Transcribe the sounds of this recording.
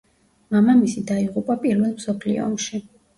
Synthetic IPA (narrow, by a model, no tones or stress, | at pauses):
mamamisid̪aiʁupʼapʼiɾvɛlˠmsɔpʰlḭɔ̰ɔmʃi